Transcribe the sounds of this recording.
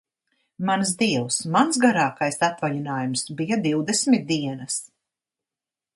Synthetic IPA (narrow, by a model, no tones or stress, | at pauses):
mans̬d̪iɛwsmansɡaɾaːkajsat̪vaʎinaːjumsbijad̪iwd̪esmit̪̚d̪iɛnɐs